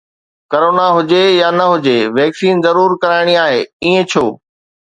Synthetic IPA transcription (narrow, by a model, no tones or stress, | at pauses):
kɐɾoːnaɦʊd͡ʑejanɐɦʊd͡ʑeʋɛːksiːnzɐɾuːɾkɐɾaːɪɽ̃iaːɦeːiːẽt͡ɕʰoː